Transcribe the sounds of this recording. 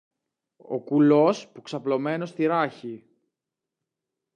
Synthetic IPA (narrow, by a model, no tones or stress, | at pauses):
o̞̰kulo̞spuksɐplo̞me̞no̞st̪iɾɐçi